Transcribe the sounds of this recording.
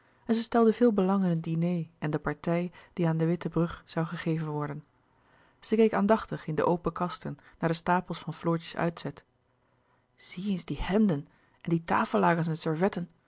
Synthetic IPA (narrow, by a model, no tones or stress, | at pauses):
ɛnzəstɛlˠdəvɪːlˠbəlɑŋɪnəndinejɛndəpɑɹtɛjd̥iaːndəʋɪtəbrɵχz̥ɑwχəχejvənʋɔɹdən | z̥əkejkaːndɑχtəχɪndəʔowpəkɑstənːaːɹdəstaːpəlˠsfɑnflʊːɹcə̥sœ̰ɥtsɛt | z̥ienzdihɛmdən | ʔɛndita̰ːfəlˠlaːχənsɛnsɛɹvɛtən